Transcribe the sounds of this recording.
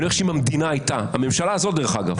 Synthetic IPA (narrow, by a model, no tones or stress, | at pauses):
oeʃeimamd̪inaajtaame̞mʃalaːzo̞t̪̚d̪e̞eχaɡa̰v